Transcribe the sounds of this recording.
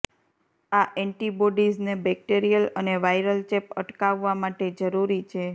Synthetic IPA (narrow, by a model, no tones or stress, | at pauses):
aʔɛɳʈiboɖiznebɛk̚ʈeɾijələneʋajɾəlt͡ʃepəʈkaʋːamaʈed͡ʒəɾuɾit͡ʃʰe